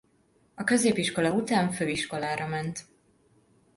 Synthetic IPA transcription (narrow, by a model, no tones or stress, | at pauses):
ɒkø̞zeːpiʃko̞lɒut̪aːɱføːiʃko̞laːɾɒmɛnt̪